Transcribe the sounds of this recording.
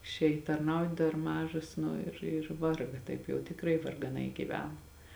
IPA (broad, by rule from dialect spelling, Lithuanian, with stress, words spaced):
ɪʃʲˈeːj tɐrˈnɐʊt dɐr ˈmɑːʒoːs ˈnʊ ɪr ɪr ˈʋɐrɡɐ ˈtɐɪp jɛʊ tʲɪkˈrɐɪ ʋɐrɡɐˈnɐɪ ɡʲiːˈʋʲæːnɐ